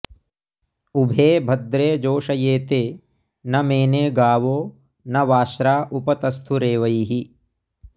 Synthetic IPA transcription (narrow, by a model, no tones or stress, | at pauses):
ubʱeːbʱɐd̪ɾeːd͡ʒoːʃɐjeːt̪eː | nɐmeːneːɡaːʋoː | nɐʋaːʃɾaːʔupɐt̪ɐst̪ʰuɾeːʋɐiɦi